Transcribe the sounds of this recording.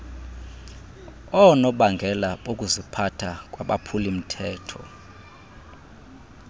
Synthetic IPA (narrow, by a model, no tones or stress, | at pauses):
ɔnɔɓaŋɡʱɛlaokʼuzipʰatʰak̬ʼwaɓa̰pʰulim̩tʰɛːtʰɔ̰